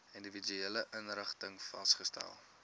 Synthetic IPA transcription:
individyeːləʔənɾəχtəŋfɐ̰stχəstæ̰lˠ

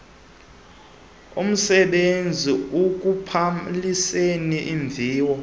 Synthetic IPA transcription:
ṵm̩sɛɓend͡zʱiuk̬ʼupʰaliseniʔiɱvʱiːwɔ

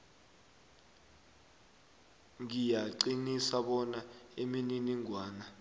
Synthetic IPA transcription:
ŋijaǀinisaɓɔnaemininiŋwaːna

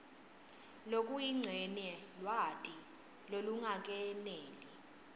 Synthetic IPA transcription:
lokʼujiŋ͡ǀʱɛnɛlwatʼi | loluŋak̬ʼɛneːli

